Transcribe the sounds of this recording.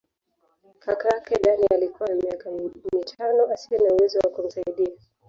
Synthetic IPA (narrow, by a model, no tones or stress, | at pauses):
kakajakɛɗaniʔalikuwamiakamitʰanɔasiɛnauwɛzɔwakum̩saiɗia